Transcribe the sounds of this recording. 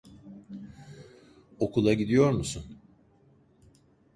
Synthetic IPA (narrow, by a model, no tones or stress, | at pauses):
o̞kʰulˠaɟid̪ijo̞ɾmusun